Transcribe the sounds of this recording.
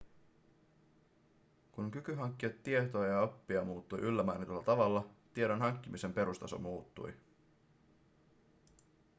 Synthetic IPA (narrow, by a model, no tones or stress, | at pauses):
kuŋkykyɦɑŋkːiot̪ːie̞t̪oɑjɑopːiɑmuːt̪ːujʔylːæmæ̰ːnit̪olːɑt̪ɑʋɑlːɑt̪ie̞ɾo̞nɦɑŋkːimise̞mpe̞ɾust̪ɑso̰muːt̪ːṵj